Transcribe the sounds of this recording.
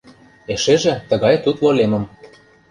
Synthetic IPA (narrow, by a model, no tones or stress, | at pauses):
eʃeʒĕt̪ə̆ɣɑjt̪ut̪lolemə̆m